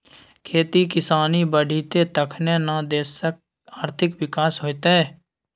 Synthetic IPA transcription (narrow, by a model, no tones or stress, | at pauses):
kʰeːt̪iːkɪsaːniːbəɖʱiːt̪eːt̪əkʰnẽːnad̪eːsək̚ | aːɾt̪ʰɪkʋɪkaːsɦoːɪt̪eɛː